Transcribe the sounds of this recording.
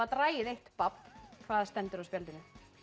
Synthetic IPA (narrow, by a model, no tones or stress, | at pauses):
at̪ɾaːjɪðejht̪papkʰv̥aːðast̪ɛnt̪ʏɾawspjɛlt̪ɪnʏ